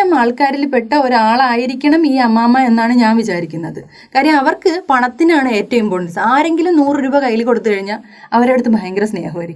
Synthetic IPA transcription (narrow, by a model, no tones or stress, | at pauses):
ɐmaːɭkaːɾilpe̞ʈːɐo̞ɾuaːɭaːjiɾikʲːɐɳɐmiːɐmːaːmːɐe̞nːaːɳɨɲaːnʋit͡ɕaːɾikʲːunːɐðɨ | kaːɾijɐmɐʋɐrkɨpɐɳɐt̪ːinaːɳɨe̞ːtːɐjumpoːisaːɾe̞ŋɡilumnuːrɨɾubɐkɐjːilko̞ɽut̪ːɨkɐɻiɲːa | ɐʋɐɾe̞ɽut̪ːɨbʱɐjɐŋɡɾɐsnḛːɦɐːɐɾi